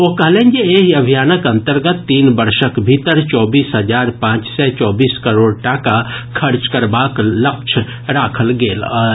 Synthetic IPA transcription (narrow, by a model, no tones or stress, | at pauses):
oɦkɐɦlẽːnd͡ʒeeɦiɐbʱijaːnəkɐ̃nt̪əɾɡət̪ːiːnbəɾʃəkbʱit̪əɾt͡ʃɔːbiːsɦəd͡ʒaːɾpãːt͡ʃsɛt͡ʃɔːbiːskəɾoːɽʈakakʰəɾt͡ʃkəɾbaːklək̚t͡ʃʰ | ɾaːkʰəlɡeːlə